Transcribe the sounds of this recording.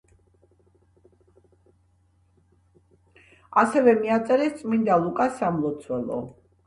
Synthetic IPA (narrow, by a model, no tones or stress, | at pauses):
asɛvɛmiat̪sʼɛɾɛst̪sʼmind̪alˠukʼasamlˠɔt̪sʰwɛlˠɔ̰